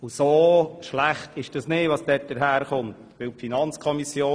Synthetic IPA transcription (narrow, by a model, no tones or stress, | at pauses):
ʊsoːʃlæχtʰɪʃd̥ɑsnɪʋɑsd̥ɛt̚d̥əɾɦæːɾχʊnt | ʋɪlpfinɑnt͡skʰɔmisjoː